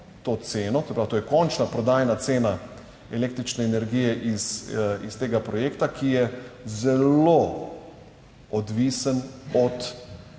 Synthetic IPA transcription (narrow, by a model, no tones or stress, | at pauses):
t̪ot̪seːnɔsɛpɾawt̪oːjɛkɔnt͡ʃnapɾɔd̪aːjnat̪seːna | ɛleːkt̪ɾit͡ʃnɛːnɛɾɡiːjɛʔisist̪eːɡapɾɔjeːkt̪akʰijɛzɛlo | ɔd̪ʋisənɔt̪